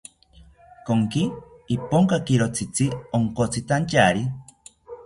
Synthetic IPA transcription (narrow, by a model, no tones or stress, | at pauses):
koŋkiː | poŋkakiɾot͡sʰit͡sioŋkot͡sʰit̪ant͡ʃaɾi